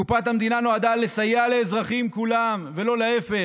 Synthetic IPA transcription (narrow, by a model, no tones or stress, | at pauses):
upat̪hamd̪inano̞ad̪alesajale̞ːzʁaχimkulamvelo̞leefe